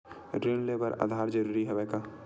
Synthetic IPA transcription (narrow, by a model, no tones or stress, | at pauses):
ɖɾeːnlebəɾa̰ːd̪ʱaːɾd͡ʒɐɾuːɾiɦɛʋɛːka